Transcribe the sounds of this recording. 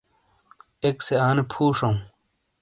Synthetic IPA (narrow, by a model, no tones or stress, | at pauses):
ekseaːnepʰuːʂɐũ